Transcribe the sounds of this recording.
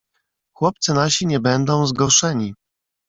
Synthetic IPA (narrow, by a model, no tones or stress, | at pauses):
xwɔp̚t̪sɘnaɕiɲɛbɛnd̪ɔ̃w̃zɡɔɾʂɛɲi